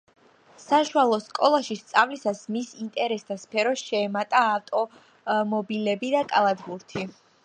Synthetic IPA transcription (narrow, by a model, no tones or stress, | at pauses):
saʃualˠɔskʼɔlˠaʃist̪sʼavlisasmisint̪ʼɛɾɛsd̪aspʰɛɾɔsʃɛːmat̪ʼaːft̪ʼɔ | mɔbilɛbid̪akʼalˠad̪buɾt̪ʰi